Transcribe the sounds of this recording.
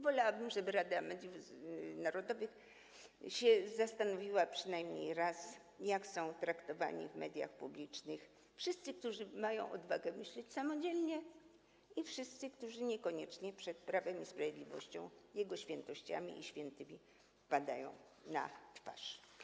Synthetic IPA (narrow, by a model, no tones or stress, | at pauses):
vɔlawabɘmʐɛbɘɾad̪amɛd̪ʲjufnaɾɔd̪ɔvɘx | ɕɛzast̪anɔvʲiwapʂɘnajmɲḛjɾas | jaksɔ̃w̃t̪ɾakt̪ɔva̰ɲḭvmɛd̪ʲja̰xpublʲit͡ʂnɘx | fʂɘst̪sɘk̚t̪uʐɘmajɔ̰̃w̃ʔɔ̰d̪vaɡɛmɘɕlɛt͡ɕsamɔd͡ʑɛlɲɛ | ifʂɘst̪sɘkt̪uʐɘɲɛkɔɲɛt͡ʂɲɛpʂɛt̪̚pɾavɛmispɾavʲjed̪lʲivɔɕt͡ɕɔ̃w̃jɛɡɔɕfʲjɛnt̪ɔɕt͡ɕa̰mʲḭʔiɕfʲjɛnt̪ɘmʲi | pad̪a̰jɔ̰̃w̃ | na̰t̪fa̰ʂ